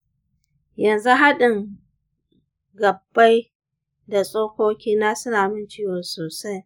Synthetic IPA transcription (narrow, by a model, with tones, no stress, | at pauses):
jɐ˨nzu˦ɦa˦ɗɪ˨ŋ | ɡɐ˨bːa˦j | da˨sʼoː˦kʷoː˦kʲiː˦naː˦sɪ˦naː˨mɪ˦nt͡ʃiː˦woː˨soː˨sa˦j